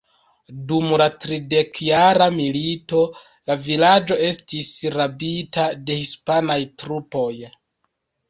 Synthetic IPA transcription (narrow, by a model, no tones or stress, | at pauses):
dumlatɾide̞kjaɾamilito̞ | lavilad͡ʒo̞e̞stisɾabitade̞hispanajtɾupo̞j